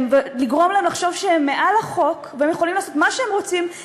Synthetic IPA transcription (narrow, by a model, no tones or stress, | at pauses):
mveliɡʁo̞mlaemlaχʃo̞vʃeemːe̞ʔalaχo̞kveemjeχolimlaːso̞t̪maʃeemʁo̞t͡sim